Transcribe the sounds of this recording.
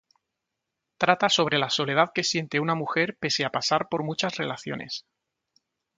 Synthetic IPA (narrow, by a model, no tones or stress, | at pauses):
t̪ɾat̪aso̞β̞ɾe̞laso̞le̞ð̞aðke̞sje̞nt̪eunamuxe̞ɾpe̞seapasaɾpo̞ɾmut͡ʃasre̞laθjo̰nḛs